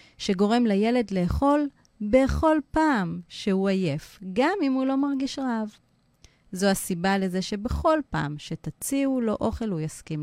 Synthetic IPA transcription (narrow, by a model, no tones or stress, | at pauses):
ʃe̞ɡo̞ʁe̞mleje̞le̞dle̞ːχo̞l | be̞χo̞lpaːmʃe̞huaje̞fɡamimulo̞maʁɡiʃʁaav | zo̞asibale̞ze̞ʃe̞beχo̞lpa̰ːmʃe̞tat͡siulo̞ʔo̞χe̞lujaskim